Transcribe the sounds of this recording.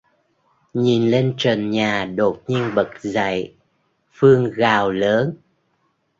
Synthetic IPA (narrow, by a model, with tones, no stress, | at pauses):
ɲi˨˩nle˧nt͡ɕəː˨˩nɲaː˨˩ɗo˨˩t̚ɲi˧ənɓə˨˩k̚za̰˧˨j | fɨ˧əŋɣaː˨˩wləː˨˦n